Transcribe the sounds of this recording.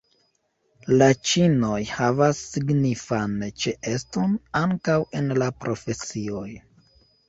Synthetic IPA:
lat͡ʃino̞jhavasːiɡnifant͡ʃe̞ʔe̞sto̞naŋkawe̞nlapɾʔo̞fe̞sio̞j

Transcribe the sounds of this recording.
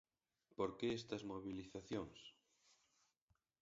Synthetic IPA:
poɾkeest̪ɐzmoβiliθaθjoŋs

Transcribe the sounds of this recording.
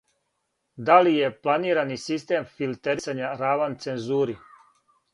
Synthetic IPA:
d̪alije̞plˠaniːɾanisist̪emfilˠt̪eɾisaɲaɾaʋant̪senzuːɾi

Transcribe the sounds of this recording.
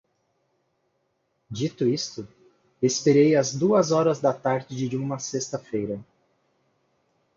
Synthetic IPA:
d͡ʒit̪ʊist̪ʊ | espeɾejɐzd̪uɐzɔɾɐzd̪ɐt̪aɾd͡ʒɪd͡ʒɪd͡ʒɪũmɐsest̪ɐfejɾɐ

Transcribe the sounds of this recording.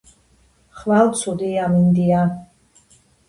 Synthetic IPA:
χvalsʰud̪iamind̪ia

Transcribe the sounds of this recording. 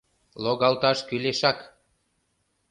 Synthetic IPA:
loɣɑlt̪ɑʃkyleʃɑk

